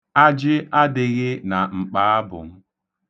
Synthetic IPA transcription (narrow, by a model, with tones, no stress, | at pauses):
a˦d͡ʒɪ˦a˦dɪ˨ɣɪ˦na˨ŋ͡m̩˨k͡paː˨˦a˦bʊ̰˨ŋ̩˦